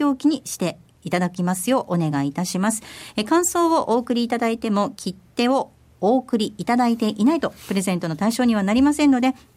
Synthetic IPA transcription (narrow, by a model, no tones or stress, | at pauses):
o̞ːkʲiɲ̟iɕi̥t̪e̞ | it̪ad̪akʲimasɨjo̞ːʔone̞ɡait̪aɕimasɨ̥ekãɰ̃so̞ːβoʔo̞ːkɯ̟ɾʲiːt̪ad̪ait̪e̞mo̞kʲʰit̪ːe̞o̞ | oːkɯ̟ɾʲiːt̪ad̪ait̪e̞ʔinait̪o̞pɯ̟ɾe̞zẽ̞nt̪o̞not̪aiɕo̞ːɲ̟iβ̞anaɾʲimasẽ̞nːo̞d̪e̞